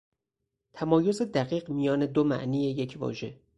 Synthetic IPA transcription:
t̪ʰæmɒːjo̞ze̞d̪æɢiːɢmijɒːne̞d̪omæ̰ʔniːje̞je̞cʰvɒ̰ːʒe̞̰

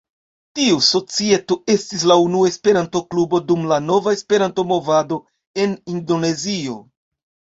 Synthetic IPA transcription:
tiuso̞t͡sie̞to̞e̞stis̬launuaespe̞ɾanto̞klubo̞dumlano̞vaespe̞ɾanto̞mo̞vado̞ | e̞nindo̞ne̞zio̞

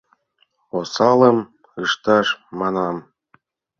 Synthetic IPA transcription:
osɑlə̆m | ɯʃt̪ɑʃmɑnɑm

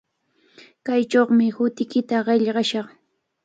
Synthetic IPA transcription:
kajt͡ʃoχmɪhʊt̪ɪkɪt̪aɢeʎɢɑʃɑχ

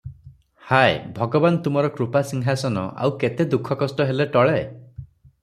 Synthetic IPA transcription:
hajbʱɔɡɔbant̪umɔɾɔkɾupasiŋɦasɔnɔ̰ʔa̰wket̪ed̪ukʰɔkɔsʈɔɦeleʈɔɭe

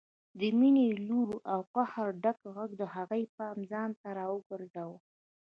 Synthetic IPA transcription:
d̪əmineluɾuʔawqahaɾɖakɣaɡd̪əhaɣəjpɑmzɑnt̪aɾɑwəɡəɾzaw

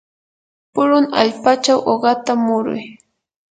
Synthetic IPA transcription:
pʊɾʊna̰ʎpat͡ʃawʔoɢɑt̪amʊɾʊ̰j

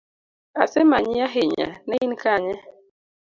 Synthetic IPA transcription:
a̰semaɲɪaɦɪɲa̰nɛinkaɲɛ

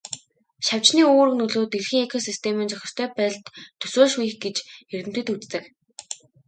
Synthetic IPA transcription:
ʃaw̥t͡ɕniːoːɾɵ̆ɣnɵɮoːt̪erxĭŋekʰɔsist̪ʰemĭːnt͡ɕɔxʲɪ̥̆r̥t̪ʰœːpæːɮt̪t̪ʰːɵ̥soːʃuj̆xɡet͡ɕxeɾɘ̆m̥t̪ɘ̆t̪ut͡st̪ɘ̆k

